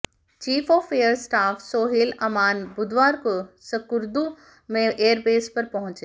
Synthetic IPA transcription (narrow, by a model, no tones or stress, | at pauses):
t͡ʃiːfɔːfejəɾsʈaːfsoːɦilɐmaːnbʊd̪ʋaːɾkosɐkʊɾd̪u | mẽʔeːəɾbeːspɐɾpɐɦʊ̃t͡ʃe